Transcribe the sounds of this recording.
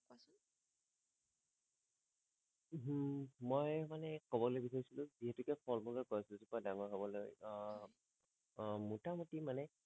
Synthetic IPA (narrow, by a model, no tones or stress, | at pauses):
ɦmojmanɛkɔbɔlojbisaɹisilʊ̃ziɦɛtʊkɛpʰɔlmɔɡaɹkɔasilisupɔjdaŋɔɹɦɔbɔloj | mutamutimanɛ